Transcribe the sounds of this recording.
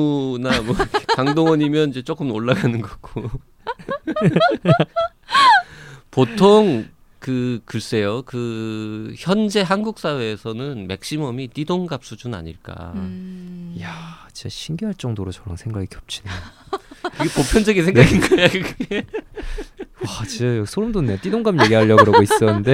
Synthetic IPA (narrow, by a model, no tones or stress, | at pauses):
unamwʌkaŋdoŋʌɲimjʌnid͡ʑe̞t͡ɕ͈ok͈ɯmoɭːaɡanɯnɡʌɡ̥͈o | potʰoŋ | kɯkɯɭs͈e̞jokɯ | çjʌnd͡ʑe̞ɦanɡuk̚s͈awe̞ːsʰʌnɯnmek̚ɕ͈imʌmit͈idoŋɡap̚s͈ud͡ʑuna̰ɲḭɭk͈a̰ | jat͡ɕit͡ɕaɕʰinɡjuɦaɭt͡ɕ͈ʌŋdoɾot͡ɕʌɾa̰ŋsʰeŋɡaɡikjʌp̚t͡ɕ͈ina | iɡepopʰjʌnd͡ʑʌɡinsʰeŋnɡɡiŋɡajakɯɡe | wat͡ɕiajʌsʰoɾɯmdonːet͈idoŋɡamje̞ɡiɦaʎːʌɯɾaɡois͈ʌnɯnde̞